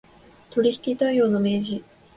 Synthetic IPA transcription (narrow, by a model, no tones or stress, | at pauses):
t̪o̞ɾʲiçi̥kʲit̪aijo̞ːno̞me̞ːʑi